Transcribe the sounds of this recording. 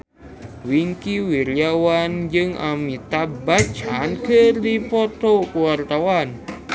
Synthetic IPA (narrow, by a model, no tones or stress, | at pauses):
wiŋkiwiɾiawand͡ʒɨŋʔa̰mit̪abat͡ʃankɨrdipɔt̪okuwart̪awan